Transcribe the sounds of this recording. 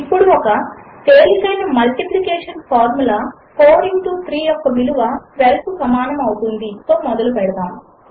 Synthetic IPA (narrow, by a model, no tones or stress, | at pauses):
ipːuɽuɔkɐt̪eːlikɐjnɐmɐlʈiplikeːʂɐnpʰaːɾmulaː | poːɾinʈuːt̪ʰɾiːjɔkːɐmiluʋɐʋelɐpusɐmaːnɐmɐwut̪und̪it̪o̞ːmɔd̪ɐlupɛɽɐd̪aːm